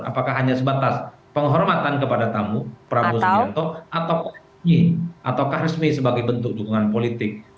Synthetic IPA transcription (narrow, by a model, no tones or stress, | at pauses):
a̰pakaɦaɲasəbat̪as | pəŋɦɔrmat̪ankəpadat̪amupəɾabusant̪ɔʔat̪awkah | miʔat̪awkahɾəsmisəbaɡajbənt̪ʊk̚d͡ʒukuŋanpolit̪ɪk̚